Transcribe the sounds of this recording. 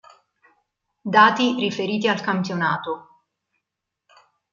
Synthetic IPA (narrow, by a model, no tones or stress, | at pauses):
d̪aːt̪irifeɾiːt̪̬ialkampjona̰ːt̪o